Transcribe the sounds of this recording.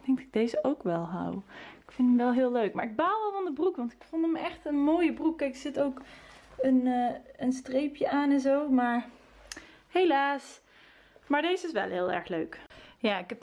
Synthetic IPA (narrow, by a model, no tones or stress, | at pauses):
d̥ɛŋɡ̚dɑtɪɡ̚dejzəʔowkʋɛlˠɦa̰wɪkfɪndəmʋɛlˠɦɪːløɥkmaːɹɪɡ̚baːlˠʋɛlˠvandəbrukʋɑntɪkfɔndəmɛxtənmoːjəbrukːɛksɪtowkənːənstrejpjəaːnɛnzowmaːɹ | hejlaːs | maːɹdejzəɪsʋɛ̰lˠɦɪːlˠɛ̰ɹxlø̰ɥkjaːɪkɛp